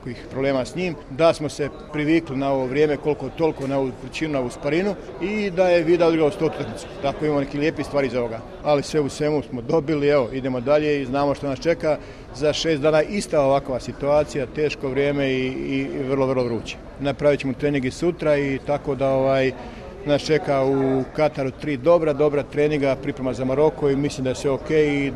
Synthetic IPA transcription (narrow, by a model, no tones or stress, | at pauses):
koixpɾoble̞ːmasɲiːmd̪asmo̞se̞ | pɾiʋiːklinao̞ʋoʋɾjeːmeko̞lkot̪o̞lˠikonaoʋupɾit͡ʃiːnunaouːspaɾinu | id̪aje̞ʋiːd̪aod̪ɾɡlaoust̪ot̪ut̪aknit̪se̥t̪akoimaːmone̞kiːlʲjeːpist̪ʋaːɾizoʋo̞ɡaː | alisʋe̞usʋe̞musmo̞d̪o̞bilieʋo̞id̪e̞mo̞d̪aʎe̞iznaːmo̞ʃt̪onast͡ʃe̞ka | zaʃe̞ːsd̪aːnaʔist̪ao̞ʋakʋasit̪uaːt̪sijat̪e̞ːʃko̞ʋɾjeːme̞iːʋər̩lˠoʋrlˠoʋɾuːt͡ɕe̥ | napɾaʋit͡ɕemut̪ɾe̞ːnĩŋɡisut̪ɾait̪ako̞d̪ao̞ʋaːj | nast͡ʃe̞kaukat̪aɾut̪ɾiːd̪o̞bɾad̪o̞bɾat̪ɾe̞ːniŋɡapɾipɾemazamaɾo̞ko̞imislˠimd̪ajesʋeoke̞ːji